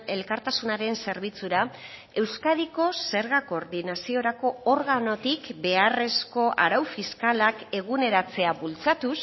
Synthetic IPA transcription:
e̞lkaɾt̪asunaɾe̞nse̞ɾβ̞it͡suɾa | e̞wskað̞iko̞se̞ɾɣako̞ɾðinasio̞ɾako̞ːɾɣano̞t̪ikbe̞are̞sko̞ʔaɾawfiskalake̞ɣ̞une̞ɾat͡se̞aβult͡sat̪us

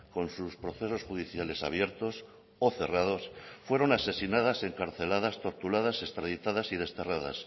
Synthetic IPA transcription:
ko̞nsuspɾo̞θe̞so̞sχxuðiθjale̞sa̰β̞je̞ɾt̪o̞s | o̞θe̞rað̞o̞sfwe̞ɾo̞nase̞sinað̞ase̞ŋkaɾθe̞lað̞ast̪o̞ɾt̪ulað̞ase̞st̪ɾaðit̪aðasið̞e̞st̪e̞raða̰s

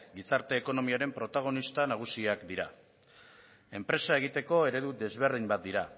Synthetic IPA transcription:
ɡisaɾt̪e̞ːko̞no̞miaɾe̞mpɾo̞t̪aɣ̞o̞nist̪anaɣ̞usiakd̪iɾa | e̞mpɾe̞sae̞ɣ̞it̪e̞ko̞e̞ɾe̞ðud̪e̞zβe̞ɾð̞imbat̪̚d̪iɾa

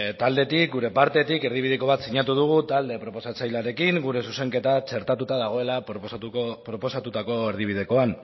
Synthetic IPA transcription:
t̪ald̪e̞t̪ik̚ɡuɾe̞paɾt̪e̞t̪ike̞ɾðiβiðe̞ko̞βat̪siɲat̪uð̞uɣ̞ut̪ald̪e̞pɾo̞po̞sat͡sajlaɾe̞kiŋɡuɾe̞suse̞ŋke̞t̪at͡ʃe̞ɾt̪at̪ut̪aðaɣ̞o̞e̞la | pɾo̞po̞sat̪ut̪ako̞e̞ɾð̞iβ̞ið̞e̞ko̞an

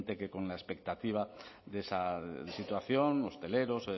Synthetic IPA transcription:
nt̪e̞ke̞ko̞nlaespe̞k̚t̪at̪iβ̞aðe̞sasit̪waθjo̞no̞st̪e̞le̞ɾo̞s

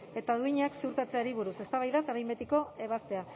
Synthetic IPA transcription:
e̞t̪aðuiɲaksiuɾt̪at͡seaɾiβ̞uɾuse̞st̪aβajðasaɾajmbe̞t̪iko̞e̞β̞ast̪e̞a

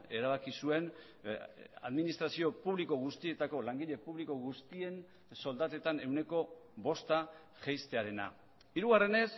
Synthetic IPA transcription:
e̞ɾaβakisue̞n | a̰ðminist̪ɾasio̞puβliko̞ɣ̞ust̪ie̞t̪ako̞laŋɡiʎe̞puβliko̞ɣust̪ie̞n | so̞ld̪at̪e̞t̪ane̞wne̞ko̞βo̞st̪a | ʝejst̪e̞aɾe̞na̰ | iɾuɣare̞ne̞s

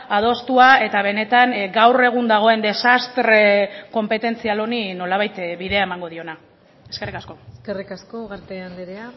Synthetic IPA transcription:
að̞o̞st̪uae̞t̪aβ̞e̞ne̞t̪aŋɡawre̞ɣ̞und̪aɣ̞o̞e̞nd̪e̞sast̪ɾe̞ko̞mpe̞t̪e̞nt͡sialo̞nino̞laβajt̪βiðe̞ae̞maŋɡo̞ð̞io̞na | eske̞rikasko̞eskerikaskoɣaɾt̪eand̪eɾea

